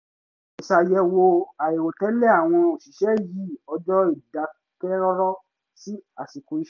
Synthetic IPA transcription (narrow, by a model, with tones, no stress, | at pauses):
i˨ʃa˨jɛ˧wo˧a˨e˨wo˨tɛ˨˦lɛ˦˨a˨w̃ɔ̃˧o˨ʃi˨ʃɛ˦ji˦ɔ˧d͡ʒɔ˦i˦˨da˨˦ | tɛ˦ɾɔ˦ɾɔ˦ | si˦a˨si˨ku˨i˦ʃ